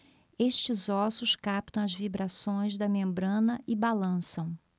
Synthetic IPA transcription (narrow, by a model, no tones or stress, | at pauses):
eʃt͡ʃɪzɔsʊskap̚t̪ɐ̃w̃ɐzvibɾasõj̃zd̪ɐmẽmbɾɐ̃nɐʔɪbalɐ̃sɐ̃w̃